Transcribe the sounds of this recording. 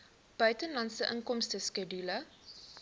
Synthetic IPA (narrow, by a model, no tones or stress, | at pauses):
b̥œɥtənlɐntsəʔəŋkɔmstəskɛdylə